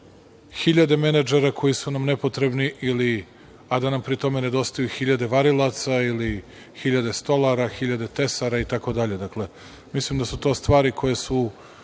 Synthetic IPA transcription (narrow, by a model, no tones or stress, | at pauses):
xiʎad̪e̞me̞nad͡ʒeɾakʰo̞jisunamnepo̞t̪ɾe̞bniʔili | ad̪anampɾit̪o̞me̞ne̞d̪o̞st̪ajuxiʎad̪e̞ʋaɾilˠat̪saili | xiʎad̪e̞st̪o̞laɾaxiʎad̪e̞t̪e̞saɾait̪ako̞d̪aʎe̞d̪akle̞ | mislimd̪asut̪o̞ːst̪ʋaːɾikʰo̞jesu